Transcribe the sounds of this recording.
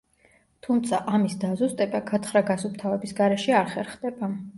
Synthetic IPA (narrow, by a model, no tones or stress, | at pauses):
t̪ʰumt̪sʰaʔamisd̪azust̪ʼɛbaɡat̪ʰχɾaɡasup̚t̪ʰavɛbisɡaɾɛʃɛaɾχɛɾχd̪ɛba